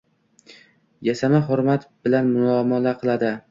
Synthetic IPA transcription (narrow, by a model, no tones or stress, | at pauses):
jasamaɦʊɾmat̪bɪlanmʊlɒmɒlaqʰɨlˠad̪ɪ